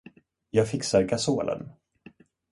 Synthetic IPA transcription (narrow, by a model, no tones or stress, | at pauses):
jɑːɡfɪksaɾɡasoːlə̰n